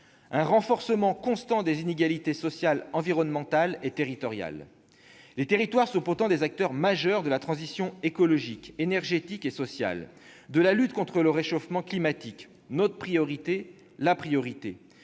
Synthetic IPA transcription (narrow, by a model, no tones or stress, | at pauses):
ɛ̃ʁɑ̃fɔʁsəmɑ̃kɔ̃st̪ɑ̃d̪ezineɡʲalit̪esɔsjalɑ̃viʁɔnmɑ̃t̪alet̪eʁit̪ɔʁja̰l | let̪eʁit̪waʁsɔ̃puʁt̪ɑ̃d̪ezak̚t̪œʁmaʒœʁd̪əlat̪χɑ̃zisjɔ̃ekɔlɔʒikenɛʁʒet̪ikesɔsja̰l | d̪əlalyt̪kɔ̃t̪χələʁeʃofmɑ̃klimat̪ik | not̪χəpχijɔʁit̪e | lapχijɔʁit̪ḛ